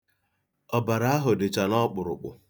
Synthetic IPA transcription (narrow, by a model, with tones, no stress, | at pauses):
ɔ˨ba˨ɾa˦a˦ɦʊ˨dɪ˨t͡ʃa˨nɔ˦k͡pʊ˨ɾʊ̰˨k͡pʊ̰˨